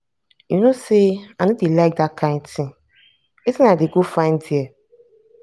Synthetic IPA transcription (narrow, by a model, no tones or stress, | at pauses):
junoseanodelak̚dakʰãɪ̃ntɪ̃ŋ | etĩnadeɡofãɪ̃ndiɛ